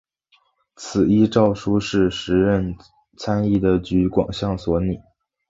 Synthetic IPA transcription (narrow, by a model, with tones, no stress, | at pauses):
t͡s̩ʰ˨˩i˥ʈ͡ʂɑ˥˩ʊʂu˥ʂɻ̩˥˩ʂɻ̩˧˥ɻə˥˩n | t͡sʰa˥ni˥˩d̪ə˩t͡ɕy˧˥kwɑ̰˨˩ŋɕjɑ˥˩ŋswɔ˧˥ni˨˩˦